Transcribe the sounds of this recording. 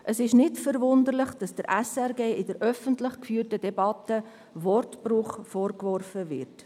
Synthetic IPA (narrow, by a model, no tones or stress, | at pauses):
ʔəsɪʃnɪtfəɾvʊndəɾlɪχd̥ɑsd̥əɾʔɛsɛɾɡeːɪdəɾʔœfəntlɪχkfyːrtəd̥ɛbɑtə | vɔrtprʊχfɔːɾkvɔrfəvɪɾt